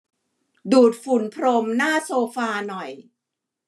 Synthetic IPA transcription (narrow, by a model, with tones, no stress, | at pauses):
duː˨˩t̪̚fu˨˩˦npʰɾo˧mnaː˥˩soː˧faː˧nɔ˨˩j